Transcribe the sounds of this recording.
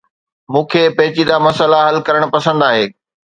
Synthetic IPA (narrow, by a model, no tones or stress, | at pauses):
mũːkʰeːpɐɦɪt͡ɕid̪amɐsəlaɦɐlkɐɾəɽ̃̆pɐsə̃nd̪aːɦeː